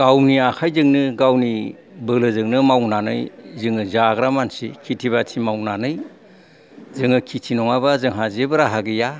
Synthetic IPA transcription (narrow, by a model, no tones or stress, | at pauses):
ɡawniakʰajzɯŋnɯɡawni | bɯlɯzɯŋnɯmawnanɯjzɯŋɯzaɡɾamansḭkʰitʰiβatʰimawnanɯj | zɯŋɯkʰitʰinɔŋabazɯŋɦazebɯɾaɦaɡija